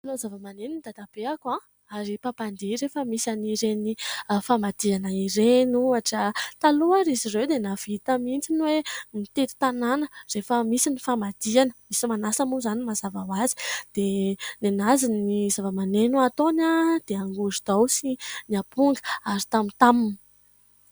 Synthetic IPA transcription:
alozavəmanenunid̪ad̪ab̥eakwã | aɾipapand̪iɾefəmisaniɾenifamad̪̥ianəiɾenuaʈ͡ʂət̪aluaɾizirewd̪enav̥it̪əmint͡sinwemit̪et̪u̥t̪ananərefəmisinifamad̪̥ianəmisimanasəmuzanimazavawazi̥d̪̥enenazinizavəmanenuat̪onad̪̥eaŋɡuzud̪̥awsiniapuŋɡə̥aɾi̥t̪amint̪amini̥

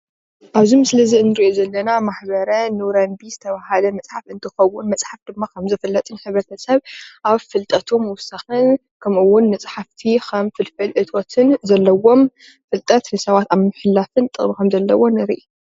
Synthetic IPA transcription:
ʔaβzimsɨlɐziɨnːɨɾiʔozɐlːɐnamaħbɐɾɐnɨwɾɐmbizɨt̪ʰɐβahalɐmɐt͡sʼħafɨnt̪ʰɨxɐwːʊnmɐt͡sʼħafd̪̥ɨmːakʰɐmzɐfɐlːɐt̪ʼɨnħɨβɾɐt̪ʰɐsɐβʔaβfɨlt̪ʼɐt̪ʰumɨwʊsːaxɨn | kʰɐmʔɨwːʊnːɐt͡sʼħaft̪ʰixʰɐmfɨlfɨlʔɨt̪ʰo̞t̪ʰɨnzɐlːɐwo̞m | fɨlt̪ʼɐt̪nɨsɐβat̪aβmɨħɨlːafɨnt̪ʼɨ̰χʼmikʰɐmzɐlːɐwo̞nɨɾiʔi

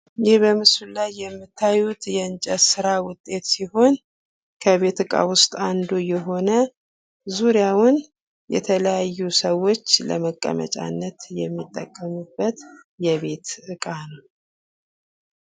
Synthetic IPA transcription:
jɪhbəmɨsullajːɛmːɨt̪ʰːajut̪jɛɨnt͡ʃʼəsɨɾawʊt̪ʼːe̞t̪siho̞n | kʰəβe̞t̪ɨkʼa̰wʊst̪ʼand̪ujɛɦo̞nə | zuɾijawʊn | jɛ̰t̪ʰələjajːusəwo̞t͡ʃːlə̰məkʼːə̰mə̰t͡ʃʼa̰nːət̪jɛmːit̪ʼːəkʼːəmubːət̪jɛβe̞t̪ɨkʼanəw

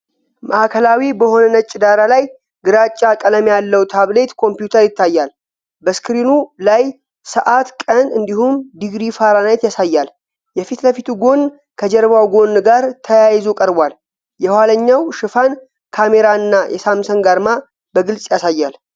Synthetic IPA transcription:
maʔakʰəlawibəho̞nənət͡ʃʼːɪd̪aɾalaj | ɡɨɾat͡ʃʼːakʼələmjalːəwt̪ʰaβle̞t̪kʰo̞mpjut̪ʰəɾjɪt̪ʰːajːal | bəskɾinulaj | səʔat̪kʼənɨnd̪ihumd̪iɡɾifaɾanajt̪jasajːal | jɛfit̪ləfit̪uɡo̞n | kʰəd͡ʒɛɾβawɡo̞nɡaɾt̪ʰəjajzokʼəɾbʷal | jɛhwaləɲːawʃɨfan | kʰame̞ɾaɨnːajʔɛ̰samsənɡaɾma | bəɡɨlsʼjasajːal

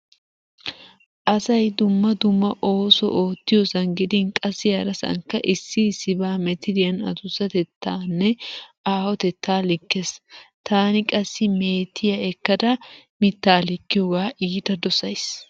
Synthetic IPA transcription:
ʔɐsɐjd̪ʊmːɐd̪ʊmːɐʔo̞ːsɔ̰ʔo̞ːt̪ːɪjɔsɐnɡɪd̪ɪnkʼɐsːɪjɐɾɐsɐ̰ŋkːɐʔɪsːɪsɪbaːmɛt̪ɪd̪ɪjɐnɐ̰t̪ʊsɐt̪ɛt̪ʰːaːnːɛaːhɔt̪ɛt̪ːaːlɪkːest̪aːnɪkʼɐsːɪme̞ːt̪ʰːɪjɐɛkːɐd̪ɐmɪt̪ːaːlɪkːɪjoɡaːʔiːd̪ɐd̪ɔsɐjs

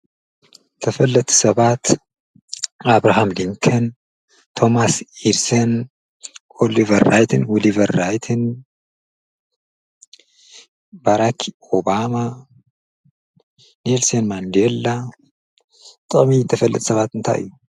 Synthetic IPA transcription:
t̪ʰɐfɐlːɐt̪ʰʼu̥sɐβat̪ | aβɾaɦamliŋkʰɐn | t̪ʰo̞masiɾsɐn | ʔolivɐɾːajt̪ʰɨnwolivɐɾːajt̪ʰɨn | baɾakʰ | obama | nelsenmand̪elːa | t̪ʼɨχʼmit̪ʰɐfɐlːɐt̪ʰʼsɐβat̪ɨnt̪ʰa̰jʔɨ̰jːu

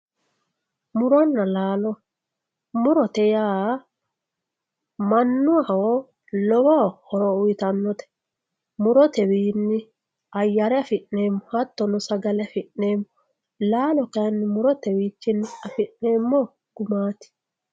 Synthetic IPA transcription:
mʊɾɔnːɐlaːlɔ | mʊɾɔt̪ɛjaː | mɐnːʊawɔ | lɔwɔhɔɾɔʊjɪt̪ɐnːɔt̪ɛ̥ | mʊɾɔt̪ɛwiːnːɪ | ɐjːɐɾɛɐfɪʔːe̞ːmːɔhɐt̪ːɔnʊsɐɡɐlɛɐfɪnːe̞ːmːɔ | laːlɔkɐɐnːɪmʊɾɔt̪ɛwiːt͡ʃːɪnːɪɐfɪʔne̞ːmːɔ | ɡ̥ʊmaːt̪ɪ̥

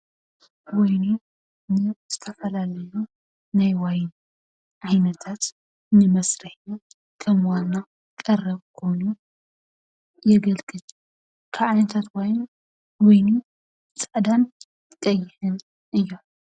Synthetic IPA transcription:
wɔjni | nɨz̥ɨt̪ʰɐfɐlalɐju | najwajn | ʕajnɐt̪ʰat̪ | nɨmɐsɾɐħja | kʰɐmwanːa | kʼɐrːɐβkʰo̞jnu | jɛɡɐlkʼɨtʼ | kʰaʕajnɐt̪ʰat̪wajn | wɔjnu | t͡sʼɐd̪an | kʼɐjːɪhɨn | ʔɨjːom

